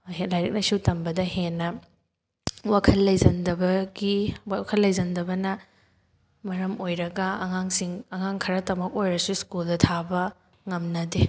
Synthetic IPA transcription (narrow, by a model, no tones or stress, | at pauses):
ɦelajɾɐk̚lɐjsutɐmbɐdɐhenːɐ | wakʰɐlːɐjzɐndɐbɐɡikʰɐlːɐjzɐndɐbɐnɐ | mɐɾɐmojɾɐɡɐːŋaŋsiŋɐŋaŋkʰɐɾɐtɐmɐk̚ojɾɐsuskuldɐtʰabɐ | ŋɐmnɐde